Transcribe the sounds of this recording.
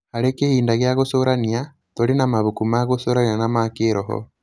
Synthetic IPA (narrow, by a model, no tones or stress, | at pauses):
aɾekehiːndaɣjaɣosoɾania | tolinamaβukumaɣosoɾanianamakeɾoɦo̰